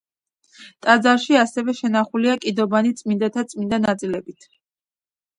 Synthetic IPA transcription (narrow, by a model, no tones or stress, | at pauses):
t̪ʼad̪zaɾʃiasɛvɛʃɛnaχuliakʼid̪ɔbanit̪sʼmind̪at̪ʰat̪sʼmind̪anat̪sʼilɛbit̪ʰ